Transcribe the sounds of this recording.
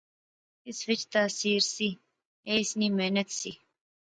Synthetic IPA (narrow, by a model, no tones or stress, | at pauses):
ɪsʋɪt͡ʃt̪aːsiːɾsi | eːsniːmeːnət̪si